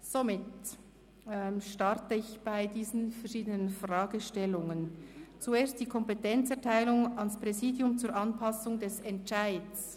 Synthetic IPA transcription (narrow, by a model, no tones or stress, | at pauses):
z̥omɪt | ɛmʃtɑɾtəɪçb̥aɪdiːzən̩fɛʁʃiːdənənfrʁaːɡəʃtɛlʊŋənt͡sueːɐst̚d̥iːkʰɔmpetɛnt͡sɛɐtʰaɪlʊŋɑnspʁɛziːdjʊmt͡suːɾʔɑnpʰɑsʊŋdɛsɛntt͡ʃaɪds